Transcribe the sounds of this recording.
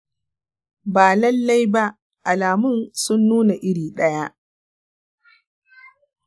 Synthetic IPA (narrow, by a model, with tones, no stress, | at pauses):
baː˨lɐ˦lːa˦jba˦ | ʔa˨laː˨mʊ˦nsʊ˦nːuː˦na˨ʔɪ˦ɽiː˨ɗɐ˦ja˦ʔ